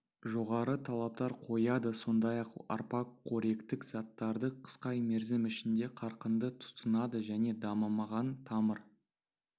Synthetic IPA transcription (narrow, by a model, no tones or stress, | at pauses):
ʒo̞ʁɑɾət̪ʰɑlˠɑp̚t̪ɑɾqʰo̞jɑd̪əso̞nd̪ɑjɑqɑ̰ɾpɑkʰːo̞ɾe̞kt̪ɪkz̥ɑt̪ːɑɾd̪əqʰə̥sqɑjmeɾzɪmɪʃɪnd̪e̞qʰɑɾqənd̪ət̪ʰʊ̥t̪ənɑd̪əʒæne̞d̪ɑməmɑʁɑnt̪ʰɑməɾ